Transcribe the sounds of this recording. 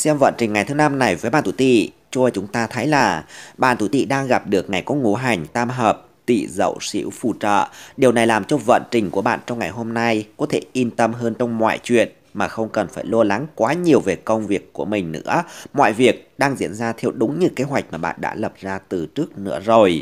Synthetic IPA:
sɛ˧mvə̰ː˧˨nt͡ɕï˨˩ŋ̟ŋa˨˩jt̪ʰɨ˨˦na˧mna˨˩jvəː˨˦jɓaː˧˨nt̪ʰu˧˩t̪ḭ˧˨ | t͡ɕu˧ə˧˩jt͡ɕʊ˨˦ŋ͡mt̪aː˧t̪ʰə˨˦jlaː˨˩ɓa̰ː˧˨nt̪ʰu˧˩t̪ḭ˧˨ɗaː˧ŋɣa˨˩p̚ɗɨ˨˩ək̚ŋa˨˩jkɔ˨˦ŋu˨˩˦ɦa˨˩jŋ̟t̪aː˧mɦəː˨˩p̚t̪ḭ˧˨zə̰˧˨wsḭ˧˥wfṵ˧˩t͡ɕə̰ː˧˨ɗi˨˩əwna˨˩jlaː˨˩mt͡ɕɔ˧və̰˧˨nt͡ɕï˨˩ŋ̟ku˧˩əɓa̰ː˧˨nt͡ɕɔ˧wŋ͡mŋa˨˩jɦo˧mna˧jkɔ˨˦t̪ʰe˧˩ʔi˧nt̪ə˧mɦəː˧nt͡ɕɔ˧wŋ͡mmwa̰ː˧˨jt͡ɕwḭ˧˨ən | maː˨˩xə˧wŋ͡mkə˨˩nfaː˧˩jlɔ˧la˨˦ŋkwaː˨˦ɲi˨˩əwve˨˩kə˧wŋ͡mvi˨˩əkːu˧˩əmï˨˩ŋ̟nɨ̰˧˥əmwa̰ː˧˨jvi˨˩ək̚ɗaː˧ŋzḭ˧˥ənzaː˧t̪ʰɛ˧wɗʊ˨˦ŋ͡mɲɨ̰˧˥ke˨˦ɦwa˨˩jk̚maː˨˩ɓa̰ː˧˨nɗa̰ː˧˥lə˨˩p̚zaː˧t̪ɨ˨˩t͡ɕɨ˦˥ək̚nɨ̰˧˥əzo˨˩j

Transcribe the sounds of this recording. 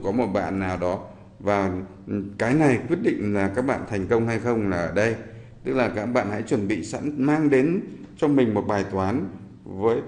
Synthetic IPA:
kɔ˨˦mo˨˩t̚ɓa̰ː˧˨nːaː˨˩wɗɔ˨˦ | vaː˨˩ | kaː˨˦jna˨˩jkwi˦˥ət̚ɗḭ̈˧˨ŋ̟laː˨˩kaː˦˥k̚ɓa̰ː˧˨nt̪ʰɛ˨˩ŋ̟kə˧wŋ͡mha˧jxə˧wŋ͡mlaː˨˩ʔəː˧˩ɗə˧j | t̪ɨ˦˥k̚laː˨˩kaː˦˥k̚ɓa̰ː˧˨nha̰˧˥jt͡ɕwə˧˩nɓḭ˧˨sa̰˧˥nmaː˧ŋɗe˨˦n | t͡ɕɔ˧wŋ͡mmï˨˩ŋ̟mo˨˩t̚ɓaː˨˩jt̪waː˨˦n | vəː˨˦j

